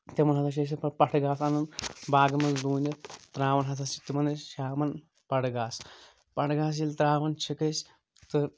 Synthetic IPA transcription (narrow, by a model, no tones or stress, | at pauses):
t̪ʲemɐnɦɐt̪ʰaʃ̬eːs̬ipɐpɐʈʰɡaːsɐnɐnbaːɡɐmɐnd̪uːnʲɐt̪t̪ɾaːʋɐnɦɐt̪ʰast͡ʃi̥t̪imɐnɐʃaːmɐn | pɐɽɡaːs | pɐʈɡaːs̬jilt̪ɾaːʋɐnt͡ʃʰikesʲ | t̪ɨ